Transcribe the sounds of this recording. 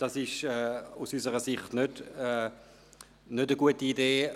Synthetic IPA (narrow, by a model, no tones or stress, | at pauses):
d̥ɑsɪʃɛːusysəʁəsɪχtnødɛ | nødəɡuətiːdeː